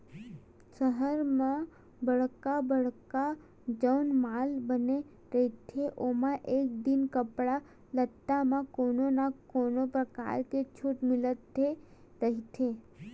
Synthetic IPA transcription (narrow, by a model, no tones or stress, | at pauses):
səɦəɾmã | bəɽkabəɽka | d͡ʒəwnmaːlbəne | ɾəɦit̪ʰeʔomãʔeːk̚d̪ɪnkəpɽa | lət̪ːamãkoːnonakoːnopɾəka̰ːɾket͡ʃʰuːʈmɪlət̪ːe | ɾəɦit̪ʰe